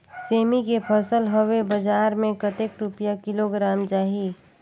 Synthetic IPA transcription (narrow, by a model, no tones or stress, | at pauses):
seːmikepʰəsəlɦowebəd͡ʒaːɾmẽkət̪ekɾʊpjakɪloɡɾaːmt͡ʃaːɦi